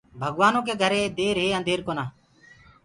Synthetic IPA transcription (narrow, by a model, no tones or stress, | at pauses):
bʱəɠʋaːnõːk̬eːɡʱəɾeːd̪eːɾɦeːənd̪ʱeːɾkoːnaː